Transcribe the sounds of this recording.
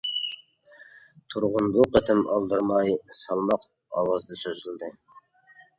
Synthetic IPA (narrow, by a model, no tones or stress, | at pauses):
t̪ʰuɾʁʊnbuqʰət̪ʰɪmɑ̰lˠd̪ɨɾmɑjsɑlˠmɑq | ɑ̰wɑzd̪ɨsøzɪld̪ɪ